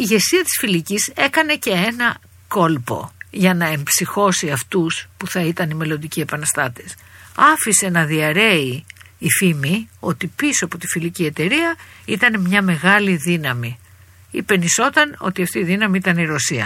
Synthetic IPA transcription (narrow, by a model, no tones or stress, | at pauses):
iʝe̞siɐt̪i̥sfilicise̞kɐne̞ce̞e̞nɐ | ko̞lpo̞̰ʝɐnɐe̞mbsixo̞siɐft̪uspuθɐit̪ɐnime̞lo̞nd̪icie̞pɐnɐst̪ɐt̪es | ɐfise̞nɐðiɐɾe̞iːfimio̞t̪ipisoɐpot̪ifilicie̞t̪e̞ɾiɐ | it̪ɐne̞mɲɐme̞ɣɐliðinɐmi | ḭpe̞niso̞t̪ɐno̞̰t̪iɐft̪iːðinɐmiit̪ɐniɾo̞siɐ̰